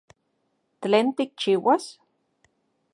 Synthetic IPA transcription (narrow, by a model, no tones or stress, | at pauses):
t̪leːnt̪ik̚t͡ʃiːwas